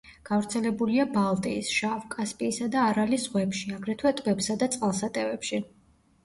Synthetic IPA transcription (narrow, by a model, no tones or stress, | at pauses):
ɡ̥avɾt̪sʰɛlɛbuliabalˠt̪ʼiisʃavkʼaspʼiːsad̪aːɾalizʁwɛpʃiaɡɾɛt̪ʰwɛt̪ʼvɛpsad̪at̪sʼqʼalˠsat̪ʼɛvɛpʃi